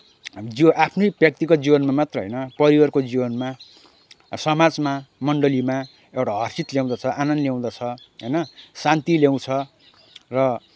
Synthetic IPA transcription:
d͡ziʔapʰnojbjʌk̚t̪ikʌd͡zibʌnmamat̪rʌɦʌ̰jnʌpʌɾiwʌrkod͡zibʌnma | sʌmad͡zmamʌɳɖʌlima | ewʈaɦʌrsit̪ljaw̃d̪at͡sʰʌʔanʌnljaw̃d̪at͡sʰʌɦʌ̰jnʌsant̪iljaw̃t͡sʰʌ | rʌ

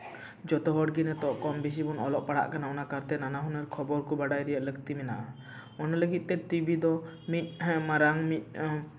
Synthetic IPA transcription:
d͡ʒɔt̪ɔɦɔʈɡinɛt̪ɔʔkɔmbis̬ibɔnɔlɔʔpaɽ̤a̰ʔkanaɔnakaɾt̪ɛnanaɦunəɾkʰɔbɔɾkubaɽajɾɛjəʔləkt̪imɛnaʔa | ɔnɔləɡit̪̚ˀt̪ɛt̪ujbid̪ɔ | mit̪̚ˀmaɾaŋmit̪̚ˀ

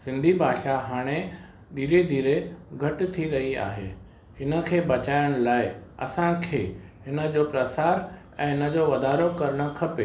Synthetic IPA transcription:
sɪ̃nd̪ʱibʱaːʃaɦaːɽ̃e | ɗ̪ʱiːɾed̪ʱiːɾeɡʱɐʈɪ̆t̪ʰiɾɐɦia̰ːɦḛː | ɪnə̆kʰeːbɐt͡ɕaːɪəɽ̃laːɪɐ̰sãkʰeːɦɪnə̆d͡ʑoːpɾɐsaːɾ | ɛ̃ːɦɪnə̆d͡ʑoːʋɐd̪aːɾokɐɾəɽ̃ə̆kʰɐpeː

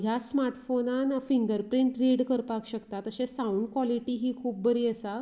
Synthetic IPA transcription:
ɦjasmaɾʈfonanfiŋɡəɾpɾiɳʈɾiɽkəɾpakɕəkt̪at̪əɕesauɳɖkʋɔliʈiɦiːkʰuːp̚bəɾiːəsa

